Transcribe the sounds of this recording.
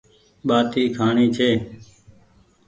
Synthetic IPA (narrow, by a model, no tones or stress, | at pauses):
ɓaːt̪iːkʰaːɳiːt͡ʃʰeː